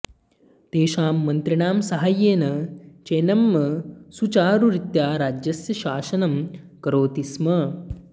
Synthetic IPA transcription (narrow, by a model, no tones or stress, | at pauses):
t̪eːʃaːmːɐnt̪ɾiɳaːmsɐɦajeːnɐt͡ʃeːnɐmːɐsut͡ʃaːɾuɾit̪jaːɾaːd͡ʒjɐsjɐʃaːsɐnɐm | kɐɾoːt̪ismɐ